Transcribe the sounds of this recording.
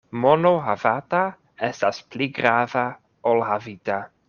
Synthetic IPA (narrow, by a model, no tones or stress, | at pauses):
mɔnoɦavata | ɛstaspʰliɡɾava | olhavita